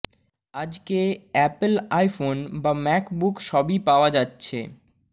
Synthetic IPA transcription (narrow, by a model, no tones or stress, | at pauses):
ad͡ʑkeɛplajfonbamɛkbukʃɔbipaoad͡ʑatːɕʰḛ